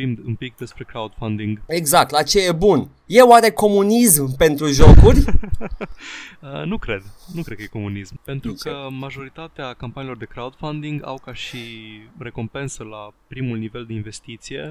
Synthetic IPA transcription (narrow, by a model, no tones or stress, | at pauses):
imɨmpik̚d̪e̞spɾe̞kɾaud̪̥fand̪iŋɡeɡzak̚t̪lat͡ʃe̞jebun | je̞waɾe̞ko̞munismpe̞nt̪ɾuʒo̞kurʲ | ənukɾe̞d̪nukɾed̪̚kəjeko̞munismpe̞nt̪ɾukəmaʒo̞ɾit̪at̪eakampanilo̞rd̪e̞kɾaud̪̥fand̪iŋɡa̰wkaʃire̞ko̞mpe̞nsəlapɾimulnive̞ld̪e̞inve̞st̪it̪sije̞̰